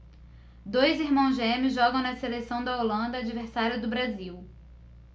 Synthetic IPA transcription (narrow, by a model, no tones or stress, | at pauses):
d̪ojziɾmɐ̃w̃zʒẽmɪzʒɔɡɐ̃w̃nɐselesɐ̃w̃d̪ɐolɐ̃nd̪ɐːd͡ʒiveɾsaɾjʊd̪ʊbɾaziw